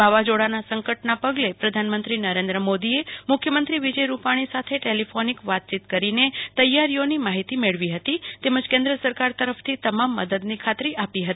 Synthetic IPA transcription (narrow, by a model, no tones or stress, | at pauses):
bʱaʋad͡ʒoɽanasəŋkəʈnapəɡlepɾəd̪ʱanmə̃nt̪ɾinəɾẽnd̪ɾəmod̪iemʊkʰjəmənt̪ɾiʋid͡ʒəjɾupaɽ̃isat̪ʰeʈelifʰonikʋat̪̚t͡ʃit̪kəɾinet̪əjːaɾijonimaɦit̪imeɭʋiɦət̪it̪eməd͡ʒkẽnd̪ɾəsəɾkaɾt̪əɾəft̪ʰit̪əmamːə̰d̪əd̪nikʰat̪ɾiʔapiɦət̪i